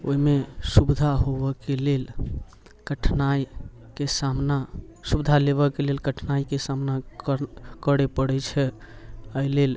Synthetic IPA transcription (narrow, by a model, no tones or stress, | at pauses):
oimesubd̪ʱaɦobəkelel | kəʈʰnaj | kesamnasubd̪ʱaleβəkelelkəʈʰnaikesamna | kəɽepəɽɛt͡ʃʰɛ | əilel